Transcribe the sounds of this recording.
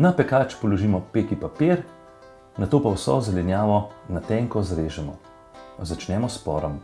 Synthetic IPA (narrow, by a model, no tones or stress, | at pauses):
napɛkaːt͡ʃpɔlɔʒiːmɔpeːkipapeɾ | nat̪oːpawsɔ̰zɛlɛnjaːʋɔnat̪ɛŋkɔzɾeːʒɛmɔ | zat͡ʃnɛmɔspɔːɾɔm